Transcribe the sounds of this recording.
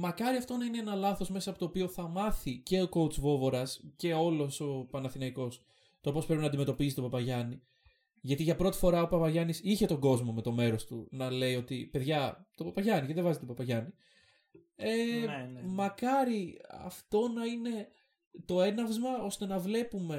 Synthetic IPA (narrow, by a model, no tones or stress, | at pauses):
mɐkɐɾiɐft̪o̞nɐine̞enɐlɐθo̞zme̞sɐpot̪oːpio̞θɐmɐθice̞oko̞ut͡svo̞vo̞ɾɐsce̞o̞lo̞so̞pɐnɐθinɐiko̞s | t̪opo̞spɾepinɐnd̪ime̞t̪o̞pisit̪o̞pɐpɐʝɐni | ʝɐt̪iʝɐpɾo̞t̪i̥fo̞ɾɐopɐpɐʝɐnisiçe̞t̪o̞ŋɡo̞zmo̞me̞t̪o̞me̞ɾo̞st̪unɐle̞io̞t̪ipe̞ðʝɐt̪o̞pɐpɐʝɐniceðe̞vɐzit̪opɐpɐʝɐni | e | mɐkɐɾiɐ̰ft̪o̞nɐine̞ | t̪o̞e̞nɐvzmɐo̞st̪e̞nɐvle̞pume̞